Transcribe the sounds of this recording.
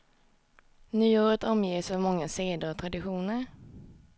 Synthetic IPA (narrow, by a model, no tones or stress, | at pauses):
nyːuːɾət̪ɔmjeːsɔmɔŋːaseːd̪ət̪ʰɾad̪ɪɧuːnəɾ